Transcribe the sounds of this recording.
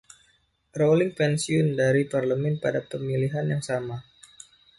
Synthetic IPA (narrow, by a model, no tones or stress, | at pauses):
rolɪŋpɛnsiʊndaɾiparləmɛnpadapəmiliɦanjaŋsama